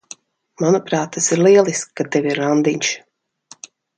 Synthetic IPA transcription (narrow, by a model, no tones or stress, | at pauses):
manupɾaːt̪ːasiɾlˠiɛlˠiskat̪ːevʲiɾand̪iɲʲʃ